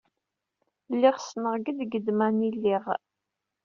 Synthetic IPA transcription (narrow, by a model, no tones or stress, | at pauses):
lːɪʁsnəʁɡəd̪ɡəd̪mænilːiʁ